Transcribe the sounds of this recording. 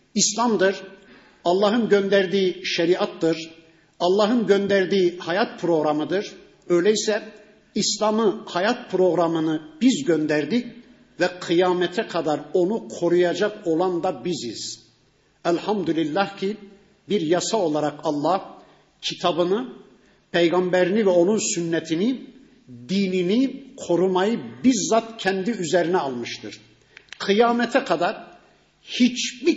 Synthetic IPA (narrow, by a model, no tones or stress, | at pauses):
islʲˠamd̪ɯɾ | ɑlˠːɑːɦɯnɟønd̪æɾd̪iːʃɛɾiat̪ːɯɾ | ɑlˠːɑɦɯnɟønd̪æɾd̪iːhajat̪̚pʰɾo̞ɣɾamɯd̪ɯɾ̥ | ø̞jlʲɛisɛ | islʲamɯhajat̪̚pʰɾo̞ɣɾamɯnɯbizɟønd̪æɾd̪ic | vɛqʰɯjaːmɛt̪ʰɛkʰad̪aɾo̞nukʰo̞ɾujad͡ʒako̞lˠand̪abizḭz̥ | ælʲhamd̪ylʲilʲːahcʰi | biɾjasao̞lˠaɾakʰɑlˠːɑh | cʰit̪ʰɑbɯnɯ | pʰejɡɑmbɛɾinivɛo̞nunsynːɛt̪ʰini | d̪iːninikʰo̞ɾumajɯbiɾzat̪cʰɛnd̪iyzɛɾinɛalˠmɯʃt̪ʰɯɾ̥ | qʰɯjaːmɛt̪ʰɛkʰad̪aɾ | hit͡ʃbi